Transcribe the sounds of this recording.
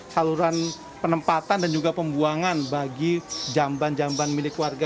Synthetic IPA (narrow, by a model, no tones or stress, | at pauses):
saluɾan | pənəmpat̪andand͡ʒuɡapəmbuaŋanbaɡid͡ʒamband͡ʒambanmilɪkːuwarɡa